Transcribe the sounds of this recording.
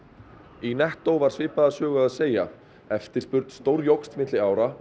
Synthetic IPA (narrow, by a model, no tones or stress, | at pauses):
inɛht̪owvaɾ̥svɪːpaðasœːɣʏaðseːja̰ | ɛft̪ɪ̥spʏɾt̪st̪owɾjowkst̪mɪt̪lɪaːwɾa